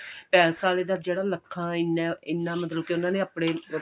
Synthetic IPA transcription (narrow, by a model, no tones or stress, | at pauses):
pɛːlsaːleːd̪aːd͡ʒeːɽaːləkʰːãːɪnãɪnːãːmət̪ləb̚keːʊnãːnẽːapɽ̃eː